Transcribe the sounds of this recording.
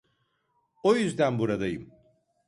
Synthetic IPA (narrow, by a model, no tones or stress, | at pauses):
o̞jyzd̪ænbuɾad̪ajɯm